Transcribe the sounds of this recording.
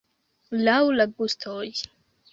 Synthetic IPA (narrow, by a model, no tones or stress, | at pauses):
lawlaɡustʰoj